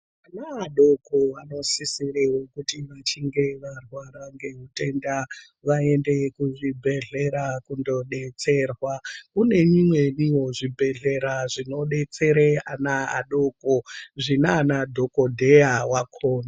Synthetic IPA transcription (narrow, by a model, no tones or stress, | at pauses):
anaːɗo̞koano̞sisireɦokutiʋat͡ʃiŋɡe̞ʋarwaɾaŋɡe̞ɦute̞nda | ʋae̞nde̞kuʐibʱe̞ɮe̞ɾakundo̞ɗe̞t͡se̞ːrwakune̞ɲimwe̞niwo̞ʐibʱe̞ɮe̞ɾaʐino̞ɗe̞t͡se̞ɾeanaa̰ɗo̞koʐinanadʱo̞ko̞dʱe̞awakʰoːna